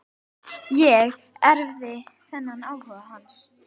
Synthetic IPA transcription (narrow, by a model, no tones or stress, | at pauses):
jɛɣ | ɛɾvðɪθɛnːanaːwhœðahans